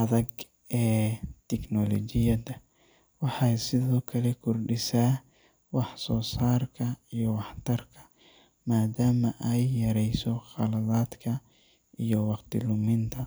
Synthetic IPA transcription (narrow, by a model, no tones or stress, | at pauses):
ʔʔɐðɐɡ | ɛːt̪ʰɛknɔlɔ̰t͡ʃɪjɐdɐ | wɑħɑjsɪðɔːkʰɐlɛkʰʊrɖɪsaː | wɑħsɔːsaːrkʰɐijɔwɑħt̪ʰɐrkʰɐ̥ | maːd̪aːmɐʔɛjːɐɾɛjsɔχɑlɐðaːd̪kʰɐ | ʔijɔwɑqt̪ʰɪlʊmɪnt̪ʰɐ